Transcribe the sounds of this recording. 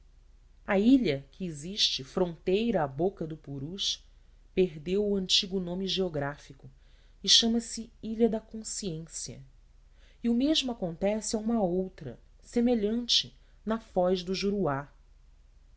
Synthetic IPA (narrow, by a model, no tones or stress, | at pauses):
ɐiʎɐkʰɪeziʃt͡ʃɪfɾõnt̪ejɾɐːbokɐd̪ʊpuɾuʃ | peɦd̪ewuɐ̃nt͡ʃiɡʊnõmɪʒeoɡɾafikʊ | ɪʃɐ̃mɐsɪiʎɐd̪ɐkõsiẽsiɐ̰ | iʊmeʒmʊakõnt̪ɛsɪɐũmɐowt̪ɾɐ̰ | semeʎɐ̃nt͡ʃɪ | nɐfɔʒd̪ʊʒuɾua